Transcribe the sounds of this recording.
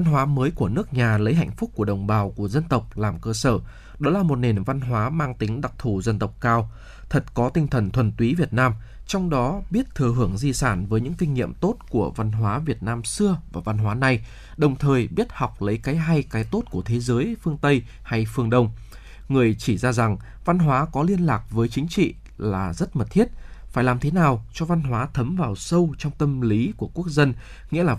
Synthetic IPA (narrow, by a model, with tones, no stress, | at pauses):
va˧nɦwaː˨˦məː˨˦jku˧˩ənɨ˦˥ək̚ɲaː˨˩lə˨˦jɦa̰˧˨jŋ̟fʊ˦˥k͡p̚ku˧˩əɗə˨˩wŋ͡mɓaː˨˩wku˧˩əzə˧nt̪ə˨˩wk͡p̚laː˨˩mkəː˧səː˧˩ | ɗɔ˨˦laː˨˩mo˨˩t̚ne˨˩nva˧nɦwaː˨˦maː˧ŋt̪ï˨˦ŋ̟ɗa˨˩k̚t̪ʰu˧˩zə˧nt̪ə˨˩wk͡p̚kaː˧w | t̪ʰə˨˩t̚kɔ˨˦t̪ï˧ŋ̟t̪ʰə˨˩nt̪ʰwə˨˩nt̪wi˨˦vi˨˩ət̚naː˧m | t͡ɕɔ˧wŋ͡mɗɔ˨˦ɓi˦˥ət̚t̪ʰɨ˨˩əɦɨ˧˩əŋzi˧saː˧˩nvəː˨˦jɲɨ̰˧˥ŋkï˧ŋ̟ŋḭ˧˨əmt̪o˦˥t̚ku˧˩əva˧nɦwaː˨˦vi˨˩ət̚naː˧msɨ˧əvaː˨˩va˧nɦwaː˨˦na˨˧j | ɗə˨˩wŋ͡mt̪ʰəː˨˩jɓi˦˥ət̚ha˨˩wk͡p̚lə˨˦jkaː˨˦jɦa˧jkaː˨˦jt̪o˦˥t̚ku˧˩ət̪ʰe˨˦zəː˨˦jfɨ˧əŋt̪ə˧j | ha˧jfɨ˧əŋɗə˧wŋ͡m | ŋɨ˨˩əjt͡ɕi˧˩zaː˧za˨˩ŋ | va˧nɦwaː˨˦kɔ˨˦li˧ənlaː˨˩k̚vəː˨˦jt͡ɕï˨˦ŋ̟t͡ɕḭ˧˨ | laː˨˩zə˦˥t̚mə˨˩t̚t̪ʰi˦˥ət̚faː˧˩jlaː˨˩mt̪ʰe˨˦naː˨˩wt͡ɕɔ˧va˧nɦwaː˨˦t̪ʰə˨˦mvaː˨˩wsə˧wt͡ɕɔ˧wŋ͡mt̪ə˧mli˨˦ku˧˩əku˦˥ək̚zə˧n | ŋḭ˧˥əlaː˨˩